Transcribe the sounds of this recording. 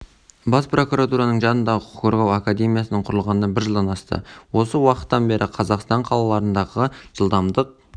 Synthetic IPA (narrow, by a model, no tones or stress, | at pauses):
bɑspro̞kuɾat̪uɾɑnəɴʒɑnənd̪ɑʁəqʰqʰo̞ɾʁɑwakad̪e̞mʲijasənəɴqʰʊɾəlˠʁɑnəbɪɾʒəlˠd̪ɑnɑst̪ə̰wo̞səwɑqət̪ːɑnbe̞ɾʔɪqʰɑzɑqst̪ɑɴqʰɑlˠɑlˠɑɾənd̪ɑʁəʒ̥əlˠd̪ɑmd̪əq̚